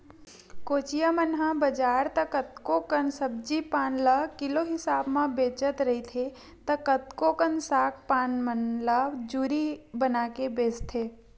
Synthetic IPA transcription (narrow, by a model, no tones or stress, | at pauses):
koːt͡ʃijəmənɦãbəd͡ʒaːɾt̪əkət̪kokənsəb̚d͡ʒipaːnləkɪloɦɪsaːbmãbeːt͡ʃət̪ɾəɦit̪ʰe | t̪əkət̪kokənsaːk̚ʰpaːnmənləd͡ʒuːɾibənaːkebeːst̪ʰeː